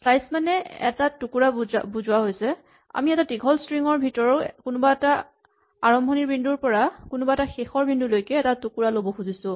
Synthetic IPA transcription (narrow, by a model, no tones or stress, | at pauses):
pʰlajsmanɛɛ̰tatukuɹabuzʊwaɦojsɛ | a̰miɛtatiɡʱɔlstɹiŋɔɹbʱitɔɹɔkʊnʊbaɛta | aɹɔmbʱɔniɹbʱinduɹpɔɹakʊnʊbaɛtaxexɔɹbʱindulojkɛːtatukuɹalobɔxuzisʊ̃